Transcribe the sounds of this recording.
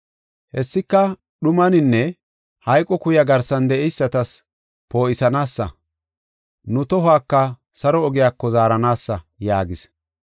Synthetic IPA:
hɛsːɪkːɐ | ɗʊmɐnɪnːɛ | hɐjkʼɔkʊjɐɡɐɾsɐnd̪ɛʔɛjsːɐt̪ɐs | po̞ːʔɪsɐnaːsːɐ̰ | nʊt̪ɔhaːkːɐ | sɐɾɔːɡɪjaːkːɔzaːɾɐnaːsːɐ | jaːɡɪs

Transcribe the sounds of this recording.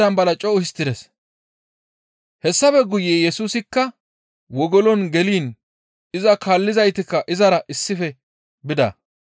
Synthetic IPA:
ɾɐnbɐlɐt͡ʃʼɔʊhɪst̪ːɪd̪ɛs | hɛsːɐfɛɡʊjeːjɛsuːsɪkːɐ | wɔɡɔlɔnɡɛliːn | ɪzɐkaːlːɪzɐjt̪ɪkːɐʔɪzɐɾɐʔɪsːɪfɛ | bɪd̪ɐ̰

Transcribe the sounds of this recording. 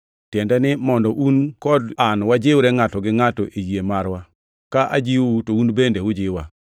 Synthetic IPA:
tjɛndɛnɪmɔndɔʔunkɔdanwad͡ʒɪwɾɛŋatɔɡɪŋatɔʔijiemaɾwa | kaʔa̰d͡ʒiwutounbendewʊd͡ʒɪwa

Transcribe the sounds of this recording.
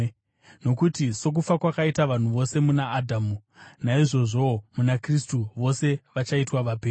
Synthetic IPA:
no̞kutiso̞k̬ufakwakaitaʋan̤uʋo̞se̞munaːdʱamunaiʐo̞ʐo̞munakristuʋo̞se̞ʋat͡ʃaitwaʋapeː

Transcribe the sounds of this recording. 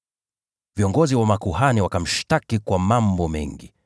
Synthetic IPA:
viɔŋɡɔziwamakuhaniwakam̩ʃtakikwamambɔmɛ̰ŋɡi

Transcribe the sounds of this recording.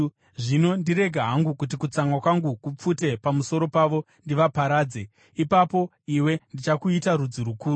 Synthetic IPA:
ʐino̞ndiɾe̞ɡʱaɦaŋɡukut̬ikut͡saŋwakwaŋɡukup͡fute̞pamuso̞ɾo̞paʋo̞ | ndiʋapaɾaːd͡ze̞ | ipapo̞ | iwe̞ndit͡ʃakuitaɾud͡ziɾukuːɾu

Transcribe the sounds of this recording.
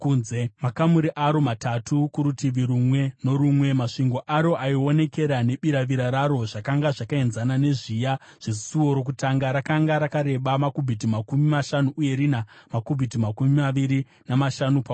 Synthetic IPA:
kuːnzemakamuɾiʔaɾo̞matatʰukuɾutiʋiɾumwe̞no̞ɾumwe̞maʂiŋɡo̞ʔaɾo̞ʔaio̞ne̞ke̞ɾane̞ɓiɾaʋiɾaɾaɾo̞ʐakaŋɡaʐakae̞nzanane̞ʐijaʐ̥isuoɾo̞k̬utaŋɡaɾakaŋɡaɾakaɾe̞ɓamakubʱit̬imakumimaʃanuʔuje̞ɾinamakubʱitimakumimaʋiɾi | namaʃanupa

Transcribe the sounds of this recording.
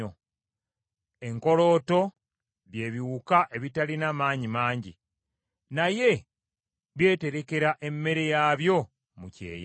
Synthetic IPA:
o | e̞ŋko̞lo̞ːto̞ | βje̞ːβiwukaʔe̞βitalinamaːɲimaːɲɟḭ | naje̞ | βje̞ːte̞ɾe̞ke̞ɾaʔe̞mːe̞ɾe̞jaːβjo̞ | mucḛːja

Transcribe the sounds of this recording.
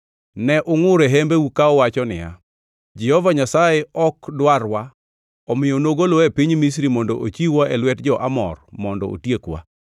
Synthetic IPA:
nɛʔʊŋʊɾeɦɛmbeukaɔwat͡ʃɔnɪ̰ja̰ | d͡ʒɛhɔvaɲasajeɔkdwarwa | ɔmɪjonoɡolɔepiɲmis̬ɾimɔndɔʔot͡ʃiwaʔelwɛtd͡ʒɔʔamɔ̰rmɔndɔ̰o̰tjekwa̰

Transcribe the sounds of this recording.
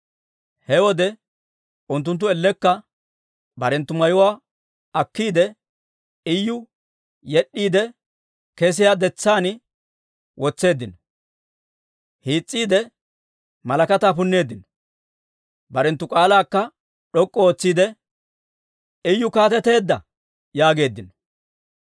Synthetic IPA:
hɛwɔd̪ɛ | ʔʊnt̪̬ːʊnt̪̬ːʊɛlːɛkːɐ | bɐɾɛnt̪ːʊmɐjʊwaː | ɐkːiːd̪ɛ | ɪjːʊ | jɛɗːiːd̪ɛ | kɛs̬ɪjad̪ɛt͡sːaːnɪ | wʔɔt͡sːe̞ːd̪ːɪnɔ | hiːt͡sʼːiːd̪ɛ | mɐlɐkɐt̪aːpʊnːe̞ːd̪ːɪnɔ | bɐɾɛnt̪ːʊkʼaːlaːkːɐ | ɗɔkʼːɔoːt͡sːiːd̪ɛ | ɪjːʊkaːt̪ɛt̪e̞ːd̪ːɐ̰ | jaːɡe̞ːd̪ːɪnɔ̥

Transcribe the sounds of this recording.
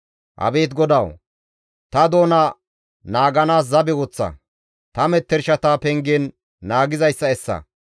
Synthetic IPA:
hɐ̰be̞ːt̪ɡɔd̪ɐw | t̪ɐd̪o̞ːnɐ | naːɡɐnaːs̬zɐbɛwɔt͡sːɐ̰ | t̪ɐmɛt̪ːɛɾʃɐt̪aːpɛŋɡɛnː | aːɡɪzɐjsːɐɛsːɐ̰

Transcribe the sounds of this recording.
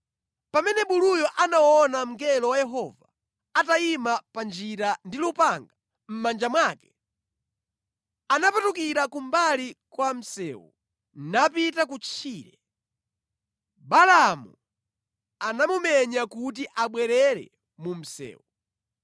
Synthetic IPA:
pamɛnɛɓulujɔʔanawɔnam̩ɡɛlɔwajɛɦɔva | ataimapand͡ʒiɾandilupaŋɡa | m̩mand͡ʒamwakɛ̥ | anapatukiɾakumbalikwam̩sɛ̰ːwṵ | napitakut͡ʃʰiːɾɛ | balamu | anamumɛɲakut̬iʔaɓwɛɾɛɾɛ̰ | mum̩sɛ̰ːwu

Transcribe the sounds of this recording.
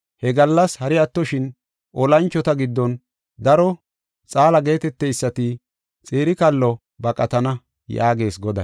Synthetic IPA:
hɛɡɐlːɐshɐɾɪɐt̪ːɔʃɪn | ʔɔlɐnt͡ʃːɔt̪ɐɡɪd̪ːɔn | d̪ɐɾɔ | t͡sʼaːlɐɡe̞ːt̪ɛt̪ːɛjsːɐt̪ɪ | t͡sʼeːɾɪkɐlːɔ | bɐkʼɐt̪ɐnɐ | ja̰ːɡe̞ːsɡɔd̪ɐ̰

